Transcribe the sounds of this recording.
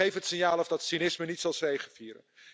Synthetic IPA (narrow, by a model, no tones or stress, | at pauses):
ejfəɦətsɪnjaːlˠɔfdɑtsinɪsmənitsɑlˠsejχənfiːɾə̰n